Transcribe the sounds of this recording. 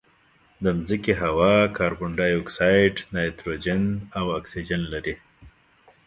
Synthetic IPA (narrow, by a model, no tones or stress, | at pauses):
d̪əmzikeɦawɑkʰɑɾbʊɳɖɑjoksajɖnajt̪ɾod͡ʒɪnawaksid͡ʒanlaɾi